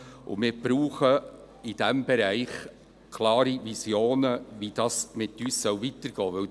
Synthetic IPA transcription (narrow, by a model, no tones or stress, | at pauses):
ʔʊ̰mɪːɾb̥ɾuːχə | id̥æmbɛɾæɪχ | kʰlɑːɾiʋisjoːnəʋid̥ɑːsmɪtːyːssœwvitəɾɡ̥ɑːʋɪw